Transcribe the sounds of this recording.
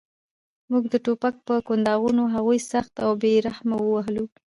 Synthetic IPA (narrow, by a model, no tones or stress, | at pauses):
muɡd̪əʈopak̚pəkʊnd̪ɑɣunoɦaɣujsaxt̪awbeɾahmawəwaɦlu